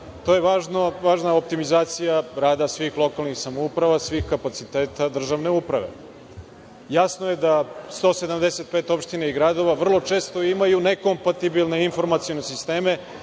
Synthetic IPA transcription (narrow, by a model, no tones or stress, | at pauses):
t̪o̞jeʋaːʒnoʋaːʒnao̞p̚t̪imizaːt̪sijaɾaːd̪asʋixlˠo̞kalnixsamoupɾaʋasʋixkapat̪sit̪eːt̪ad̪r̩ʒaʋne̞upɾa̰ʋḛ | jasnojed̪ast̪o̞ːse̞d̪amd̪ese̞t̪̚peːt̪o̞pʃt̪inaiɡɾad̪o̞ʋaʋr̩lˠo̞t͡ʃe̞ːst̪o̞imajune̞ko̞mpat̪ibilne̞info̞ɾmat̪sijonesist̪eːme̞